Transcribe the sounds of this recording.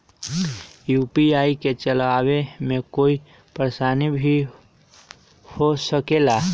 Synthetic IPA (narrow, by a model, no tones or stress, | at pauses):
jupiaːiket͡ʃəlaːwemẽkoːi | pɾəɾesanibʱi | hosəkela